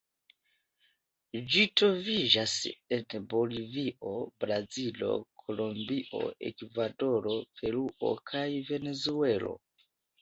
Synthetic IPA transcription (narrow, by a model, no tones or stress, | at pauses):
d͡ʒitɾo̞vid͡ʒase̞nbo̞liviʔo̞bɾazilo̞̰kʰo̞lombiʔo̞̰ʔe̞̰kvado̞ɾo̞pe̞ɾuʔo̞̰kʰajve̞ne̞zue̞lo̞̰